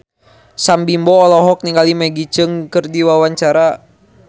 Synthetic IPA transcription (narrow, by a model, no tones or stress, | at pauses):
sambimbɔːlɔɦɔk̚niŋɡalimɛɡit͡ʃəŋkərdiwawaɲt͡ʃaɾa